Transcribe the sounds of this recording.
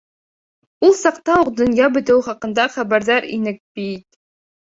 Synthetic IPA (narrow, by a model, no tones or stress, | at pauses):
ulˠsɑqt̪ɑuqd̪ɵ̆njɑbɘ̆t̪ɘwχɑqɤ̆nd̪ɑχæbæɾðæɾḭnɘk̚bit̪̚ʼ